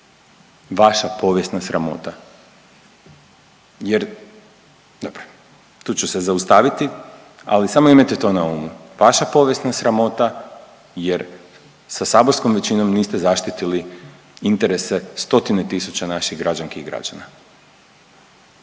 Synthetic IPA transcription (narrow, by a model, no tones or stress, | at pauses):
ʋaʃapo̞ʋje̞st̪nasɾamo̞̰t̪a | jeɾ | d̪obɾo̥ | t̪uːt͡ɕusezaust̪aʋit̪i | a̰lisamoimat̪et̪o̞nauːmu | ʋaʃapo̞ʋje̞snasɾamo̞t̪a | je̞ɾ | sasaːbo̞ɾsko̞mʋet͡ɕino̞mniːst̪e̞zaʃt̪it̪ili | int̪eɾe̞sest̪o̞t̪inet̪isut͡ɕanaʃiɣɡɾad͡ʑanskiɣɡɾa̰d͡ʑa̰na